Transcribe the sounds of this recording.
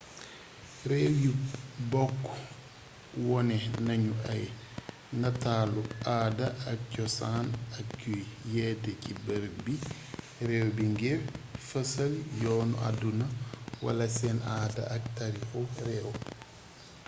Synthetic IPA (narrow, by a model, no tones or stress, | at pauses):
rɛːwjibɔkː | wɔnɛnɐɲuɐj | nɐtaːluaːdɐɐk̚cɔsaːnɐkcujjɛːdɛcibɐɾ̚bi | ɾɛːwbiŋɡɛfɐsɐljɔːnṵʔa̰dunɐwɐ̰lɐsɛːnaːdɐ̰ʔɐk̚tɐɾixɔrɛw